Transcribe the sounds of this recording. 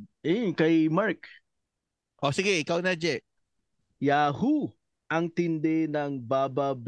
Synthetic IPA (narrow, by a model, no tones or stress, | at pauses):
ʔɛjʊnkɐjmaɹk | ʔosɪɡɛʔɪkawnɐd͡ʒɛʔ | jaːhu | ʔɐŋt̪ɪnd̪ɛnɐŋbaːbab